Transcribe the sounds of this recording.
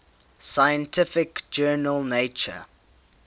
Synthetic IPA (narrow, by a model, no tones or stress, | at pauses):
saɪjə̃ntʰɪfɪkd͡ʒɜːnəlˠneɪt͡ʃə̰